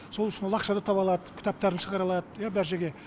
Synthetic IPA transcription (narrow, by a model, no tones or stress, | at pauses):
so̞lˠʏʃɪnwo̞lˠɑqʃɑd̪ɑt̪ʰɑpɑlˠɑd̪əkʲʰɪ̥t̪ɑp̚t̪ɑɾənʃəʁɑɾɑlˠɑd̪əjabæɾʒeɡʲe̞